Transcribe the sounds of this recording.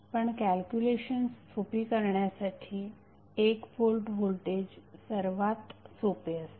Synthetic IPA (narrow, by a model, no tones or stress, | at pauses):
pəɳkælkjuleɕənstʰopikəɾɳjasaʈʰiː | ekfolʈbʱolʈed͡ʑsəɾʋat̪sopeəs